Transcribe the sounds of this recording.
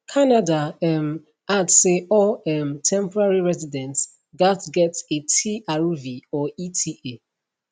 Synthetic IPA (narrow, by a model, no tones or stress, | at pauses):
kʰanadaɛm | adsseɔɛmtʰɛ̃mpɔɹaɹiɹɛzidɛ̃nts | ɡatɡɛtetʰiaɹuviɔitʰiʔe